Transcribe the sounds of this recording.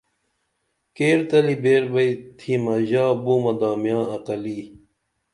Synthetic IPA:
keːɾt̪ɐlibeːɾbɐit̪ʰimɐʑaːbumɐd̪aːmjãːɐqɐli

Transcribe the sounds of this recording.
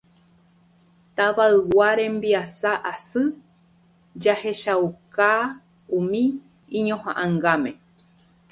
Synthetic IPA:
t̪aʋaɨwaɾẽ̞mbiasaʔasɨ | d͡ʒahe̞ʃawka | ũmĩ | ĩɲõhã̰ʔãŋɡamẽ̞

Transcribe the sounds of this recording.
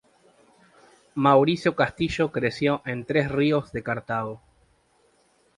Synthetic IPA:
mawɾisjo̞kast̪iʃo̞kɾesjo̞ʔent̪ɾesriozðe̞kaɾt̪aðo

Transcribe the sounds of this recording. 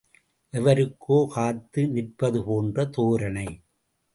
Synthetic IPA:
ʔɛʋɐɾɯkʰːoːkaːt̪ːɯnɪrpɐðɯpoːndrɐt̪oːɾɐnɐɪ

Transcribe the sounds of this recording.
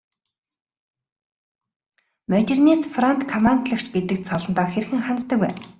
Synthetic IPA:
mœt̪ernist̪frant̪kʰɔmant̪ɮə̆kt͡ɕɡet̪ɘ̆k̚t̪sɔɮɞ̆nt̪ɔːxerxɘ̆ŋχant̪t̪ːə̆kwæ̰ːn

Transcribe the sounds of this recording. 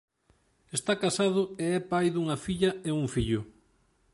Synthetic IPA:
est̪akasaðʊeɛpajðuŋɐfiʎɐeuŋfiʎʊ

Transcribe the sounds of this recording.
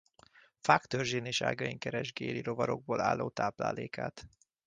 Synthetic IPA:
fakt̪ørʒeːneːʃa̰ːɡɒiŋkɛɾɛʒɡeːliɾo̞vɒɾo̞ɡ̚boːlaːlːoːt̪aːpla̰ːleːkaːt̪

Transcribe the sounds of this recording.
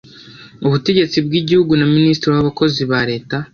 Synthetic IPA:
uβute̞ɟe̞t͡sibɡiːɟihuɡunaministiɾiwaβako̞ziβaɾe̞ːta

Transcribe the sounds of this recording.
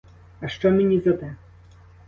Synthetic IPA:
ɐʃt͡ʃɔmenʲizɐd̪ɛ

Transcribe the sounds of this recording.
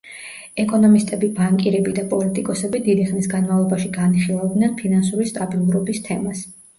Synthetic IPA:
ɛkʼɔnɔmist̪ʼɛbibaŋkʼiɾɛbid̪apʼɔlit̪ʼikʼɔsɛbid̪id̪iχnisɡanmavlˠɔbaʃiɡaniχilˠavd̪nɛnpʰinansuɾist̪ʼabilˠuɾɔbist̪ʰɛmas

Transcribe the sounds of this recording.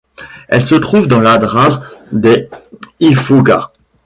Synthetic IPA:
ɛ̰lsət̪χuvd̪ɑ̃lad̪ʁaʁd̪e | ifuɡa̰

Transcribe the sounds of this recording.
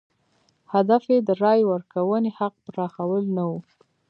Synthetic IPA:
had̪afjed̪əɾɑjwəɾkawənehaq̚pɾɑxawəlnawu

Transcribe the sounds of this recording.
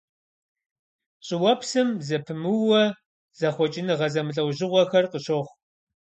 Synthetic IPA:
ɕʼɪwɐpsɨmzɐpʰɨmɨwɐ | z̥ɐχʷɔt͡ʃʼɪnɨʁɐzɐmɨɬʼɐwʑɪʁʷɔxɐrqəɕoχʷ

